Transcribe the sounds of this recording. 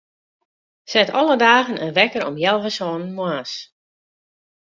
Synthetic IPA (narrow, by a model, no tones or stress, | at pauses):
sɛtɔ̰lˠədaːɣənə̰nʋɛkəɾɔ̰mjɛlˠvəsɔːnənmwas